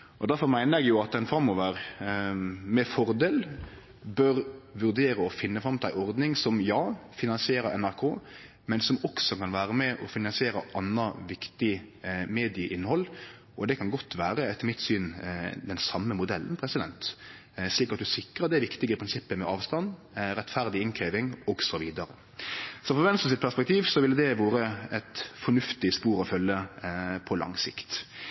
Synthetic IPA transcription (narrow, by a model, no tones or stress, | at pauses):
ʔɔd̪æɾfɔɾmæɪnəɾɛɡjʊɑt̪̚d̪ɛnfɾɑmːɔːʋəɾ | mɛfɔɾd̪eːl | bœɾʋʉɾd̪eːɾəɔfɪnːəfɾɑmt̪æɪʔɔɾd̪nɪŋsɔmjɑːfɪnɑnsɪeːɾəɾɛ̰næɾkʰoː | mɛnsɔmɔksɔkɑnʋæːɾəmɛʔɔfɪnɑnsɪeːɾəʔɑnːəʋɪkt̪ɪmeːd̪ɪəʔɪnːhɔl | ʔɔd̪ɛkʰɑnɡɔt̪ːʋæːɾəɛt̪ʰːəmɪt̪ːsyːnd̪ɛnsɑmːəmʊd̪ɛlːən̩pʰɾɛsɪd̪ɛ̰nt̪ | ʂliːkɑt̪̚d̪ʉsɪkːɾəd̪ɛʋɪkt̪ɪɡəpʰɾɪnsɪpːəmɛɑːʋst̪ɑn | ɾɛt̪fæʁd̪ɪɪnkʰɾeːʋɪŋɔɡsɔʋiːd̪ɑɾə | sɔfɔʋɛnsəsɪt̪pʰæspɛkt̪ʰiːʋsɔʋɪld̪ɛʋoːɾəɛt̪fɔɳʉft̪ɪspuːɾɔfœlːəpʰɔlʔɑ̰ŋsɪ̰kt̪